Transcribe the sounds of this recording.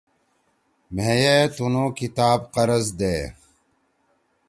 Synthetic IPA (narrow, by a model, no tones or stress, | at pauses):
meːjet̪unoːkit̪aːbqɐɾɐzd̪eː